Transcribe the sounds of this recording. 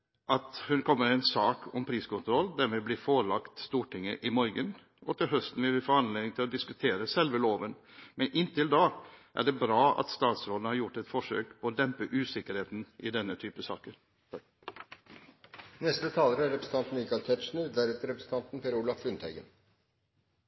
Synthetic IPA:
ʔɑt̪hʉnkʰɔmːəɾɛnsɑːkʰɔmpʰɾiːskʊnt̪ʰɾɔld̪æɾmɛːblɪːfoːlɑkt̪st̪uːʈɪŋəʔɪmɔɾɡən | ʔɔt̪ʰɪlɦœst̪n̩ʋɪʋɪfɔɾɑnleɡnɪŋt̪ʰɪlɔd̪ɪskʉt̪ʰeːɾəsɛlʋəloːʋənmɛnʔɪnt̪ʰɪld̪ɑːʔæ̰ɖɛbɾɑːɑ̰t̪st̪ɑːt̪sɾoːd̪nəhɑɾjʊʈːɛt̪fɔʂø̰ːkpʰɔːd̪ɛmpəʔʉːsɪkəɾheːt̪n̩ɪd̪ɛnːət̪ʰyːpəsɑ̰ːkən | nɛst̪ət̪ʰɑːləɾəæɾɛpɾəsət̪ɑnt̪n̩iːkɑlt̪ʰɛʂɳəɾd̪æɾɛt̪əɾɛpɾəsn̩t̪ɑnt̪n̩pʰeːɾuːlɑfɾʉnt̪ʰæɪɡə̰n

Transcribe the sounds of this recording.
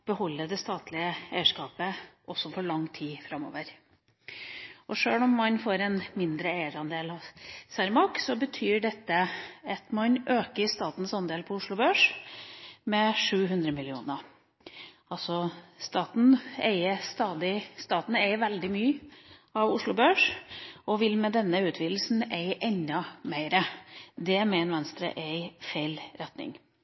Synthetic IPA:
b̥əhɔlːəd̪ɛst̪ɑːt̪lɪəæɪəʂkɑːpəʔɔsːɔfɔɭɑŋt̪ʰiːfɾɑmo̰ːʋəɾ | ɔʂøːlɔmːɑnfoːɾɛnmɪnd̪ɾəæɪəɾɑnd̪eːlɑʋsæɾmɑksɔbət̪ʰyːɖɛt̪ːəɑt̪mɑnʔøːkəst̪ɑːt̪n̩sɑnd̪eːlpʰɔʊʂɭʊbøːʂ | mɛʂʉːɦʉnd̪ɾəmɪlɪuːnə | ʔɑlsɔst̪ɑːt̪n̩æɪəst̪ɑːd̪ɪst̪ɑːt̪n̩æɪəʋæld̪ɪmyːɑʋʊʂlʊbøːʂɔʋɪlmɛd̪ɛnːəʉːt̪ʰʋiːd̪l̩sn̩æɪʔɛɲːɑmæɪɾəd̪ɛmɛnʋɛnst̪ɾə̰ʔæɪfæɪlɾɛt̪nɪ̰ŋ

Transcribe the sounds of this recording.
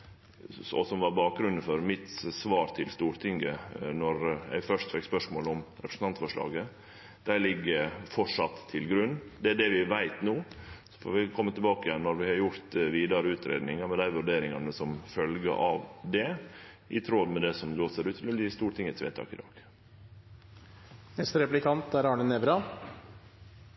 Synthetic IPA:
ɔ̰sɔmʋɑɾbɑːk̚ɡɾʉnən̩fɔɾmɪt̪sʋɑːɾt̪ʰɪlst̪uːɾt̪ʰɪŋɡənɔɾɛ̰ɪfœʂt̪fɛkːspœʂmoːlɔmɾɛpɾəsn̩ɑnt̪fɔʂlɑ̰ːɡə | d̪̥ælɪɡːəfɔʂɑt̪ʰːɪlɡɾʉnːd̪ɛæɖɛʋɪʋæɪt̪noːsɔ̥fo̰ːʋɪkʰɔmːət̪ʰlbɑːkəjɛnːɔɾʋɪhɑɾjʊɾt̪ʋiːd̪ɑɾəʉːt̪ɾḛːd̪nɪŋɑmɛd̪æɪʋʉɖeːɾɪŋɑnəsɔmfœlɡə̰ʔɑ̰ʋd̪ɛ | ʔɪt̪ʰɾoːd̪mɛd̪ɛsɔmd̪ʉɔseːɾʉːt̪ʰːɪlɔliːst̪uːɾʈʰɪŋːət̪sʋḛːt̪ʰɑ̰ːkɪd̪ɑ̰ːɡ̥ | nɛst̪əɾɛplɪkʰɑnt̪æɾɑːɳənɛʋɾɑ

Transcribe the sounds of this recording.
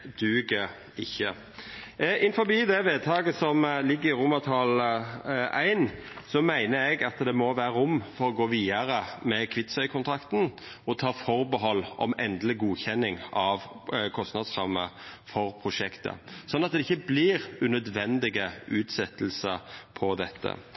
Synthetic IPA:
d̪̥ʉːɡə | ɪçːə | ʔɪnfɔbiːd̪ɛʋeːd̪ʰɑːɡəsɔmlɪɡːəɪɾuːmɑt̪ʰɑl | æ̰ɪnsɔmæɪnəɾɛɡɑt̪d̪ɛmɔʋæːɾəʊmfɔɾɔɡoːʋiːəɾəmɛkʰʋɪt̪sœʏkʰʊnt̪ʰɾɑkt̪nɔt̪ʰɑːfɔɾbəɦɔlːʔɔ̰mɛnd̪lɪɡuːçɛnːɪŋʔɑʋkʰɔst̪nɑd̪sɾɑməfɔɾpʰɾʊʂɛkt̪ə̰sɔnːɑt̪̚d̪ɛɪçəblɪɾʉnœd̪ʋɛnd̪ɪɡəʉːt̪sɛt̪l̩səpʰɔd̪ɛt̪ʰːə̰

